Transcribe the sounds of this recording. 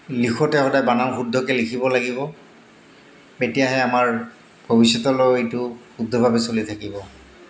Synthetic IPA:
lixɔtɛxɔdajbanamxudʱɔkɛlikʰibɔlaɡibɔ | etijaɦɛamaɹ | bʱobisjɔtɔlɔejtʊxudʱːɔbʱabɛsolitʰakibɔ

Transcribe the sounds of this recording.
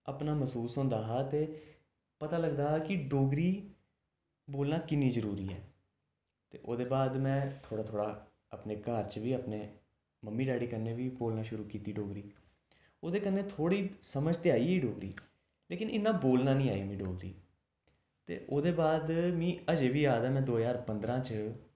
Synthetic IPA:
apnaːməsuːsɦʊ̃nd̪aːɦaːt̪eː | pət̪aːləɡd̪aːɦːkɪɖoːɡɾiː | boːlnãːkɪnːĩːzəɾuːɾḭːɛ̰ː | t̪ḛːʔoːd̪eːbaːd̪mɛ̃ːt̪ʰoːɽaːt̪ʰoːɽaː | əpneːkaːɾt͡ʃʋiːəpneː | məmːiːɖaːɽiːkənːeːʋiːboːlnaːʃʊɾuːkiːt̪iːɖoːɡɾiː | oːd̪eːkənːeːt̪ʰoːɽiːsəməd͡ʒt̪ɪaːiːiːɖoːɡɾḭː | leːkɪnɪ̰nːãːboːlnãːnĩːaːimĩːɖoːɡɾḭː | t̪ḛːʔoːd̪eːbaːd̪mĩːəd͡ʒeːʋiːaːd̪aːmɛ̃ːd̪oːjaːɾpə̃nd̪ɾãːt͡ʃ

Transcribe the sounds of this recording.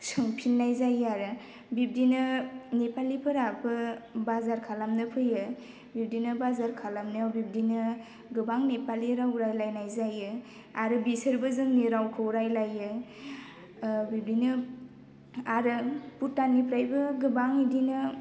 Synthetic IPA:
sɯŋpʰinːajzajaɾɯ | bib̚dinɯnepalipʰɯɾabɯbazaɾkʰalamnɯpʰɯjɯ | bip̚dinɯbazaɾkʰalamnɯbib̚dinɯ | ɡɯbaŋnepaliɾawɾajlajnajzajɯ | aɾɯbisɯɾbɯzɯŋniɾawkʰɯwɾajlajɯ | bib̚dinɯ | aɾɯputːanipʰɾajbɯɡɯbaŋidinɯ

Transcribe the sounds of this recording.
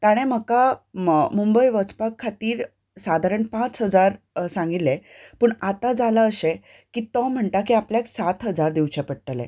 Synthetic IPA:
t̪aɽ̃ẽm̤əka | mumbəjʋət͡spakʰːat̪iːɾ | sad̪ʱaɾəɳpãt͡sɦəd͡zaɾ | sãŋɡit̪lːe | pəːɳat̪ad͡zalaəɕe | kiːt̪ɔ̃m̤əɳt̪akiapljaksat̪ɦəd͡zaɾd̪iwt͡ɕepəɽʈəlḛ̃

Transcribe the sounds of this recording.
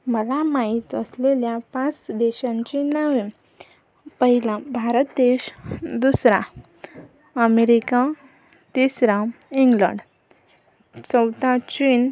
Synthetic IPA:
məlamait̪əsleljapãt͡sd̪eɕãɲt͡ɕenəʋe | pəɦilãbʱaɾət̪ːeɕd̪usɾã̰ | əmeɾika | t̪isɾãiŋɡlə̰̃ɳɖ | t͡səwt̪at͡ɕiːn

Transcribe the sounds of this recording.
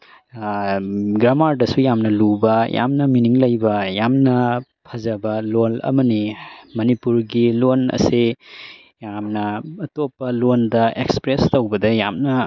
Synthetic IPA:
ɡɾamaɾdɐsujamnɐlubɐjʔa̰mnɐminiŋlɐjbɐjamnɐ | pʰɐzɐbɐlolɐ̰mɐnimɐnipuɾɡilonɐ̰se | jamnɐːtopːɐlondɐekspɾestowbɐdɐjamnɐ

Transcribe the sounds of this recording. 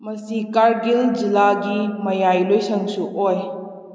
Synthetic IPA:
mɐsikaɾɡild͡ʒilaɡimɐjajlojsɐŋsuʔoj

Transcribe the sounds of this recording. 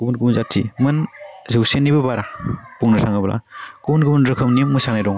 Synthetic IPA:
ɡubunɡumunzatsḭmɯnzɯwsenːibɯbaɾapuŋnɯsʰaŋɯblʔa̰ɡ̥ubunɡɯmunɾɯkʰɯmnimːɯsanajdɔŋ

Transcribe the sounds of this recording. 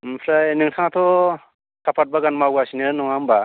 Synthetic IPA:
mpʰɾajnɯŋtʰaŋat̪ʰɔ | kʰapʰat̚baɡanmawɡasinɯnɔŋamba

